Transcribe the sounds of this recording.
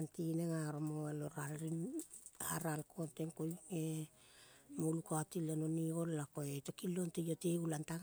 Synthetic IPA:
ntineŋaɾomoeloɾalɾinaɾalkʰo̞nteŋkojŋe | molukoatilenonio̞lːakoetekilo̞ntejoteulantaŋ

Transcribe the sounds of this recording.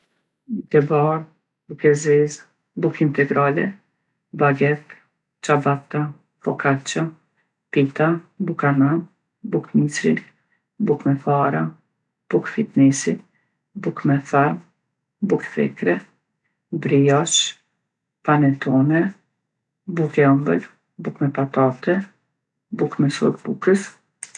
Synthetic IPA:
d̪ɛbaɾ | bukɛzɛz | bukint̪ɛɡɾalɛ̰ | baɡɛt̪ | t͡ʃabat̪a | fɔkat͡ʃa | pit̪abukanam | bukmisɾḭt̪ | bukmɛfaɾa | b̥ukfit̪nɛsit̪ | bukmɛθɛɾm | bukθɛ̰kɾɛ | bɾijaʃ | panɛt̪ɔnɛ | bukɛambəl | bukmɛpat̪at̪ɛ | bukmɛsɔ̰ɾbukəs

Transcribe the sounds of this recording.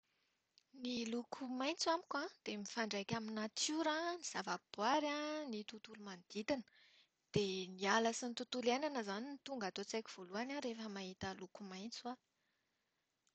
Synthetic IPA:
nilukʰumajnt͡suamikʲad̪̥emifaɳɖ͡ʐajkʲaminat͡suɾaniz̥avab̥waɾanit̪ut̪ulumand̪̥it̪inə̥ | d̪̥enialasint̪ut̪ulananəzaninit̪uŋɡat̪ot͡sajkʲi̥v̥oluanaɾefəmaɦit̪əlukumajnt͡swa

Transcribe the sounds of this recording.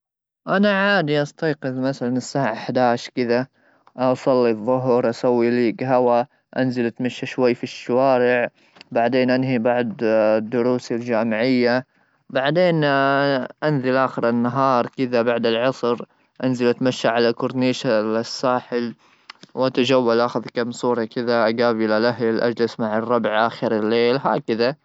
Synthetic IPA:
ʔanaʕaːd̪iʔɑst̪ɑjqɨðmaθalanɪsːaːʕaħad̪aːʃkɪða | ʔɑsˤɑlːiðˤːʊɦɾˤʔasawːiliːɡɦawa | ʔanzalʔat̪maʃːaʃwajːfiʃːawaːɾɪʕ | baʕd̪eːnʔanɦibɑʕd̪ˤd̪ːʊɾuːsald͡ʒaːmɪʕɪjːa | baʕd̪eːn | ʔanðɪlʔaːxɪɾɪnːaɦɑːɾˤkɪðabaʕd̪ɪlʕɑsˤɾ | ʔanzalʔat̪maʃːaʕalalkʊɾniːʃalɪsːaːħɪl | wʔat̪ad͡ʒawːalʔaxaðkamsˤuːɾˤɑkɪðaʔaɡaːbʔɪlalʔaɦlʔa̰d͡ʒlɪsmaʕɑrˤːɑbʕʔaːxɪɾɪlːeːlɦa̰ːkɪða

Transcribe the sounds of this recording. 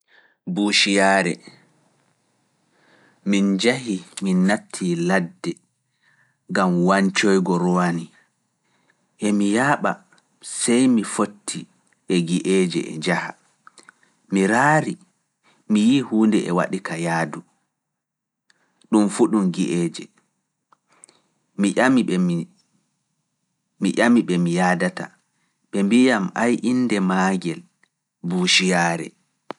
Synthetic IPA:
buʃijaːɾɛ̰ | mind͡ʒaɦiminːatʰːiladːɛ | ŋɡamwaɲt͡ʃɔjɡɔɾɔwani | ʔɛmijaːɓa̰ | sɛjmifotʰːi | ʔɛɡiʔeːd͡ʒɛ̰ʔɛ̰d͡ʒaha | miɾaːɾi | mijihuːndɛɛwa̰ɗikʰajaːdu | ɗumfuɗumɡiʔɛːd͡ʒɛ | miami | miʔamiɓɛmijaːdata̰ | ɓɛmbijamajʔinːdɛmaːɡɛl | buːʃijaːɾɛ̰

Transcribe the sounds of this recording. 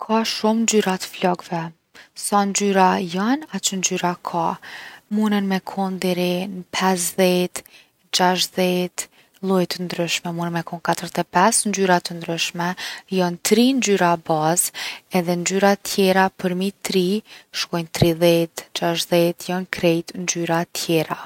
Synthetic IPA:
kʰaʃumnd͡ʒyɾat̪ə̥flɔɡvɛ | sand͡ʒyɾajanat͡ʃənd͡ʒyɾakʰamunənmɛkʰɔnd̪ɛɾinpʰɛs̬ðɛt̪ | d͡ʒaʃðɛt̪ | lˠujt̪ənd̪ɾyʃmɛmunənmɛkɔnkat̪əɾt̪ɛpɛsnd͡ʒyɾat̪ənd̪ɾyʃmɛjɔnt̪ɾind͡ʒyɾabazɛðɛnd͡ʒyɾat̪ʰjɛɾapəɾmit̪ɾiʃkɔjnt̪ɾiðɛt̪d͡ʒaʃðɛt̪jɔnkɾɛjt̪nd͡ʒyɾat̪ʰjɛɾa

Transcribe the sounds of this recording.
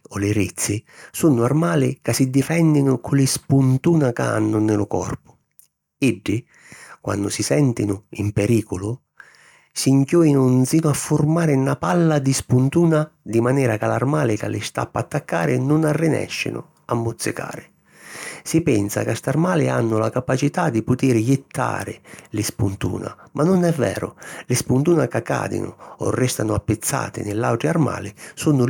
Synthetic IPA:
ɔlɪɾit̪sːɪsunːʊarmaːlɪkasɪd̪ifɛnːɪnʊkʰʊlɪspunt̪uːnakaa̰nːʊnɪlʊkɔ̰rpʊ̥ | ɪɖːɪ | kwa̰nːʊsisɛnt̪ɪnʊimpɛɾiːkʊlʊ | siŋkʲjɔːinʊnziːnʊafːʊrmaːɾɪnapalːad̪ispunt̪uːnad̪imanɛːɾakala̰rmaːlɪka̰lːʔɪst̪a̰pːaːt̪ːakːa̰ːɾɪnʊnarːɪnɛ̰ʃːɪ̰nʊ̰ | amːʊt̪sːɪka̰ːɾɪ | sipɛnsa̰kast̪armaːlɪanːʊlakapat͡ʃit̪ad̪ipʊt̪iːɾjɪt̪ːa̰ːɾɪlɪspunt̪ṵːna̰mʔanːʊnɛvːɛ̰ːɾʊ̰lɪspunt̪uːnakakːa̰ːd̪ɪ̰nʊ̰ɔ̰rːɛst̪anʊapːɪt̪sːa̰ːt̪ɪ̰nɪlːawʈɾiarma̰ːlɪsunʊ

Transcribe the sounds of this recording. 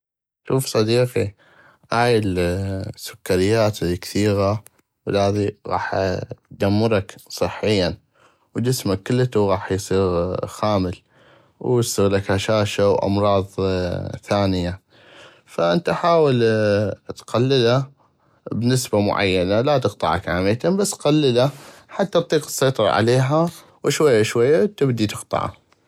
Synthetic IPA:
ʃuːfsˤɑd̪iːqi | ʔaːjɪlsːʊkːaɾɪjːaːt̪ikθiːɣa | wəlaːðiɣɑ̰ːħd̪amːʊɾˤɑksˤɨħːɪjːan | wd͡ʒɪsmakːəlːt̪uɣɑːħjsˤiːɣxaːməl | wsˤiːɣlakhaʃaːʃawʔɑ̰mɾˤɑːðˤθaːnɪja | faʔɪnt̪ʔaħaːwɪl | t̪qalːɪla | bnɪsbamʊ̰ʕa̰jːanalat̪ɨqt̪ˤɑʕa̰kʕaːmɪt̪ambasːqalːɪlaħat̪ːat̪t̪ˤːiːqɨ̥sˤːɑjt̪ˤɑɾˤɑ̰ʕa̰leːɦa | wʃwajːaʃwajːat̪ɪbd̪it̪ɨqt̪ˤɑ̰ʕa̰

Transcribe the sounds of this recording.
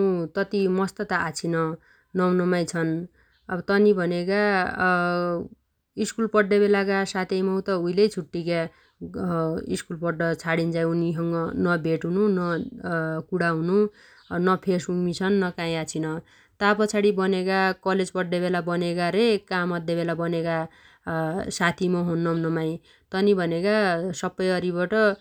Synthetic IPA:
ũt̪ʌt̪imʌst̪ʌt̪aːt͡sʰinʌ | nʌwnʌmajt͡sʰʌn | ʌbʌt̪ʌnibʱʌneka | iskulpʌɖːebelakasat̪ʰejmʌw̃t̪ʌujlejt͡sʰuʈːika | ḭskulpʌɖːʌt͡sʰaɽint͡saj̃uniɦʌŋɡʌnʌbʱeʈununʌ | kuɽaɦũnu | nʌpʰesbukmit͡sʰʌnːʌkãĩat͡sʰinʌ | t̪apʌt͡sʰaɽibʌnekakʌled͡zpʌɖːebelabʌnekaɾekamʌd̪ʱjebelabʌneka | sat̪ʰimʌɦunːʌnʌmaj̃ | t̪ʌnibʱʌnekasʌbːʌjʌɾibʌʈʌ

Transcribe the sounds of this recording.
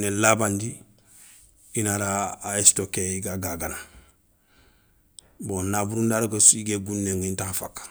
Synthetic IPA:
nelabandi | inaɾaːestokeiɡaɡaɡana | bonabuɾundaɾkasiɡeɡunːeŋɡintãnfakːḁ

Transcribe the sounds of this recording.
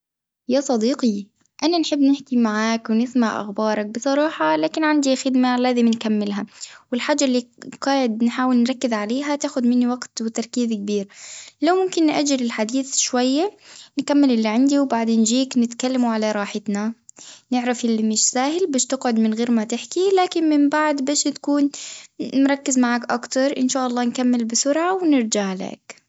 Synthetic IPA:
jaːsˤɑd̪iːqi | ʔananħɪbːnɪħkimaʕaːkwnɪθmaʕʔa̰xbɑːɾˤɑk̚bɨsˤɑɾˤɑːħɑlaːkɪnʕand̪ixɪd̪malaːzɪmnkamːɪlɦawɪlħaːd͡ʒːaʔlːiqɑːʕɪd̪̚nħaːwɪlnɾˤɑkːɪzʕaleːɦat̪aːxʊd̪mɪnːiwaɡt̪wɪt̪ɑɾˤkiːzk̚biːɾlawmʊmkɪnːʔa̰d͡ʒːɪlɪlħad̪iːθʃwajːankamːɪlʔɪlːiʕand̪iwbaʕd̪eːnʒiːknɪt̪kalːamuʕalaɾˤɑːħɪt̪nanɪʕɾafʔɪlːimɪːʃsaːɦɪlbaːʃt̪ɪɡʕʊd̪mɪnɣeːɾmat̪ɪħkilaːkɪnmɪmbaʕd̪baːʃt̪kuːn | mɾˤɑkːɪzmaʕaːkʔa̰kt̪ɑɾˤʔɪnʃaːʔɑlˤːɑːnkamːɪlbɪsʊɾʕawnɪɾd͡ʒaʕla̰k

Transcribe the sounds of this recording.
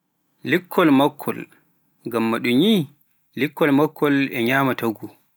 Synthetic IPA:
likʰːɔlmakʰːɔ̰l | ŋɡamːaɗuɲi | likʰːɔlmakʰːɔlɛɲaːmataɡu

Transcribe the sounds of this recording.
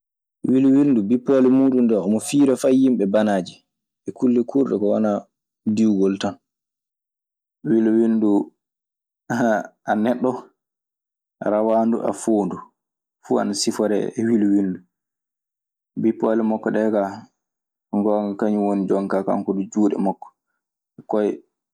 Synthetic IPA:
wilwindubipːɔlɛmuːɗundɛɔmɔfiːɾafajimɓɛbanaːd͡ʒi | ʔɛkulːɛkʰuɾɗɛkɔwana | diwɡɔltan | wilwindu | aanɛɗːɔ | ɾawaːndṵʔa̰foːndu | fua̰nasifɔɾɛ̰ɛwiluwindu | bipːɔlɛmɔkːɔɗɛka | ŋɡɔŋkaɲiwonid͡ʒɔŋkaka̰ŋkɔdud͡ʒuːɗɛ̰mɔkːɔ̥ | ɛkɔj

